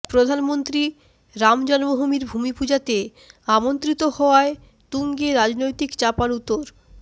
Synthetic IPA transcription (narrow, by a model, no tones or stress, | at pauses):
pɾod̪ʱanmont̪ɾi | ɾamd͡ʑɔnmoɦumiɾbʱumipud͡ʑat̪e | amont̪ɾit̪ohɔoae | t̪uŋɡeɾad͡ʑnojt̪ikt͡ɕapaɾut̪ːoɾ